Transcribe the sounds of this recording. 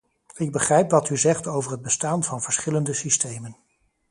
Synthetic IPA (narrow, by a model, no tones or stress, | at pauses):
ɪɡ̚bəχrɛjpʋɑtyzɛχtowvəɹɦəd̚bəstaːnvɑnvəɹsχɪləndəsistejmən